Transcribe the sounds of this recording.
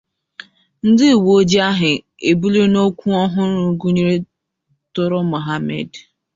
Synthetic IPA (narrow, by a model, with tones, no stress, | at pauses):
n̩˦dɪ˦˨wo˦d͡ʒi˦a˦ɦɪ˨ | e˨bu˦le˦no˦kʷu˦ɔ˦ɦʊ˦ɾʊ˨˦ɡu˦ɲi˦ɾe˦ | tʊ˦ɾʊ˦mʊ˨ɦa˦mḛ˨d